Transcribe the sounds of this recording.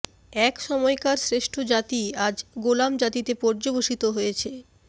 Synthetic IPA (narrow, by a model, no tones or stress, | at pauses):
ɛkʃɔmɔekaɾsɾeʃʈʰod͡ʑat̪iad͡ʑɡolamd͡ʑat̪it̪epɔɾd͡ʑoboʃit̪oɦojet͡ɕʰe